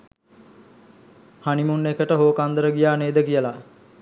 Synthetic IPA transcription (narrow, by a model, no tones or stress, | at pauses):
hanimunːekəʈəɦoːkand̪əɾəɡijaːneːd̪əkijəla